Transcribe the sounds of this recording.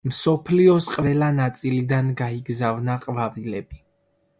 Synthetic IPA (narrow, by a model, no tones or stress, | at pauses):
msɔpʰliɔsqʼvɛlanat̪sʼilid̪anɡaiɡzavnaqʼvavilɛbi